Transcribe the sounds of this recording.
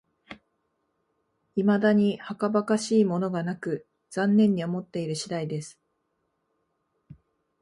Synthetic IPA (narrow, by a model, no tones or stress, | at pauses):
imad̪aɲ̟ihakabakaɕiːmo̞no̞ɡanakɯ̟ | z̥ãnːẽ̞ɲ̟ːio̞mo̞t̪ːe̞iɾɯ̟ɕid̪aid̪e̞sɨ̥